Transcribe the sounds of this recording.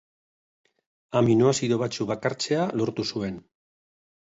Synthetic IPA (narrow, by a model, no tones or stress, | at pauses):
aminoasiðo̞βat͡ʃuβakaɾt͡se̞alo̞ɾt̪usue̞n